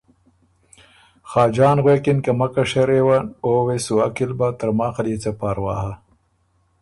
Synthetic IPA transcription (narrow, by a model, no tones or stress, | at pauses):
xɑːd͡ʒɑːnɣweːkɪnkɐmɐkaʂɐɾewɐnoːwesuwakilbat̪ɐɾmaːxɐliːt͡sapaːɾwa̰ːɦa